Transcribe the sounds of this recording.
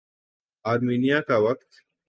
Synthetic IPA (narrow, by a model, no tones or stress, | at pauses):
aːɾmiːnijakaʋɐkt̪